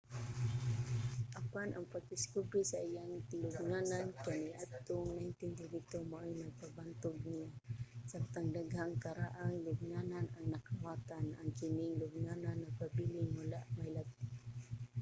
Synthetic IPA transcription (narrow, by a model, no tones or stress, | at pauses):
ʔapanʔaŋpaɡ̚d̪ɪskubɾisaʔijaŋt̪ɪlʊɡŋanankaniʔat̪ʊŋnaɪnt̪ɪnd̪ɪd̪iɡ̚t̪omaʔojnaɡ̚pabant̪ʊɡ̚nɪjasaŋ̚t̪aŋd̪aɡɦaŋkaɾaʔaŋlʊɡ̚ŋananaŋnakawaːt̪anʔaŋkɪnɪŋlʊɡ̚ŋananːaɡ̚pabilɪŋwalaʔmajlab̚t̪ɪ